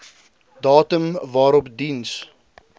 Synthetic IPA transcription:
dɑːtəmvɑːɾɔpdins

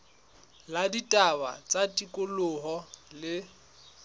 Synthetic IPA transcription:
laditʼaba̰t͡sʼatʼikʼʊlʊɦɔlɪ

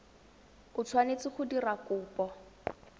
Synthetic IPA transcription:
ʊt͡sʰwanet͡sɪχʊdirakʊːpʼɔ

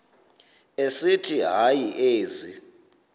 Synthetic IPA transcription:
esitʰiɦajiʔeːzi

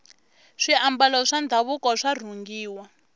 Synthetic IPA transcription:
ʂiambalɔʂand̪ʱaβukɔʂar̤uŋɡiːwa

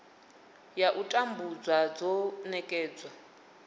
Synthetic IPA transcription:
jaʔutʼambud͡zwad͡zɔnɛkʼɛːd͡zwa

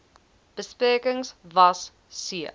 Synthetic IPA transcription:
b̥əspeːkəŋsvɐs | siə

